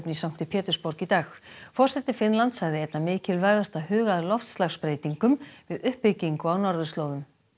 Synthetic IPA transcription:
pnisawŋ̥t̪ɪpʰɛːt̪ʏ̥spɔɾkit̪aːxfɔr̥sɛt̪ɪfɪnlant̪saɣðɪejt̪namɪːcɪlvaːjðar̥t̪ahʏːɣaðlɔft̪st̪laxspɾeːjt̪iŋkʏmvɪðʏhpːɪcːiŋkɔawnaɾðʏst̪loːwðʏm

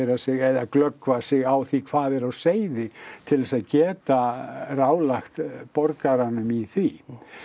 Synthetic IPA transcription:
ɾasɪɣɛðaklœkvasɪɣawθikʰv̥aːðɛɾawseːjðɪt̪ʰɪlvɛsaðcɛːt̪araːwlaxt̪pɔɾkaɾanʏmiθvi

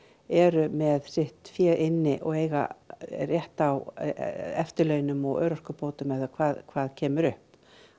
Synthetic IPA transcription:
ɛɾʏmɛðsɪht̪fjɛːʔɪnːɪʔɔ̰ɣeːjɣa̰rjɛht̪aw | ɛft̪ʏlœːɥnʏmɔɣœ̰ːɾɔr̥kʏpoːwt̪ʏmɛθʏɾkʰvaːðkʰvaːðcʰɛːmʏɾʏhp

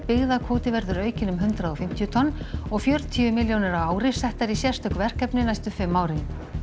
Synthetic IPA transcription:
pɪɣðakʰvoːwt̪ɪvɛɾðʏɾœːɥcɪnʏmɦʏnt̪ɾaðɔfɪm̥t̪ijʏt̪ʰɔnːɔɣfjœɾt̪ʰiʏmɪljownɛɾawaːwɾɪ̥sɛht̪aɾisjɛ̥st̪ʰœkvɛr̥kɛpnɪnajst̪ʏfɪmːaːwɾɪn

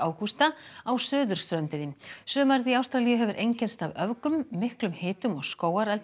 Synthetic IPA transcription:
aːwkust̪aawsœːðʏɾ̥st̪ɾœnt̪ɪnːɪmsʏːmaɾðiawst̪ɾalijʏɦɛvʏɾʔejɲcɛnst̪avœvkʏmːɪhklʏmhɪːt̪ʏmɔɣskoːwaɾɛlt̪

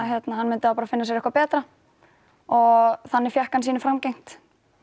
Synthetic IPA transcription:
ɦjɛt̪naɦanːmɪnt̪ɪaːwpaːɾafɪnːas̬ɛɾɛhkvapɛːt̪ɾa | ɔɣθanːɛɾ̥fjɛhkansiːnɪfɾamcejŋ̥t̪

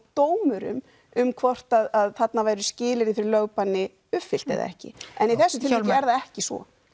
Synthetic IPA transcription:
t̪oːwmʏɾʏ̰m | ʏmkʰvɔr̥t̪aðaðθat̪navaːjɾʏscɪːlɪɾiθfɪɾɪlœɣpanːɪ | ʏfɪl̥t̪ɛ̰ða̰ɛ̰hcɪ̰ɛniθθɛsːʏt̪ʰɪlɛɛɾðaɛhcɪsvɔ̰

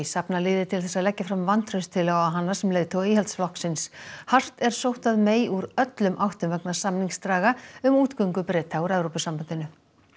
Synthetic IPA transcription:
sapnalɪːðɪt̪ʰɪlθɛsːaðlɛcːafɾamvant̪rœɥst̪ʰɪlaɣwaɦanːasɛmleːjt̪ʰowiːhɛlt̪sflɔhksɪnshar̥t̪ɛɾ̥sowht̪aðmeːjuɾœt̪lʏmʔawht̪ʏmvɛknasamniŋst̪ɾaːɣaʏmuːt̪kœɥŋkʏpɾɛːt̪ʰauɾɛvɾowpʏsampant̪ɪnʏ

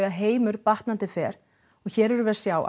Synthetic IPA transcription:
aðɦeːjmʏɾpaht̪nant̪ɪfɛːɾ̥ | ɔɣçɛːɾɛɾʏvɛːɾ̥sjaːwʔa̰

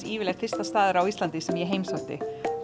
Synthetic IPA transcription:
iːvɪlɛht̪fɪ̥st̪ast̪aːðɪɾawist̪lant̪ɪsɛmjɛɦeːjmsaht̪ɪ̰

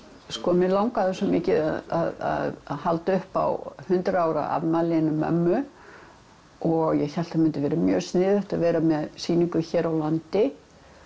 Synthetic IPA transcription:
skɔmɪlawŋkaðɛsɔmɪcɪða̰ða̰ða̰ðhalt̪aʏhpa̰whʏnt̪ɾaːwɾa̰a̰vnalɪnʏmːœ̰mːʏ | ɔɣjɛɣçal̥t̪amɪnt̪ɪvɛːɾɪmjœ̰ːsnɪːðʏht̪aðvɛːɾamɛðsiːniŋkʏçɛːɾawlant̪ɪ

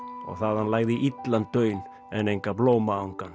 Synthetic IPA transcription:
ɔ̰ɣθaðhanlaːɣðɪʔit̪lant̪ːœːɥn | ɛnejŋkaploːwmaawŋkan

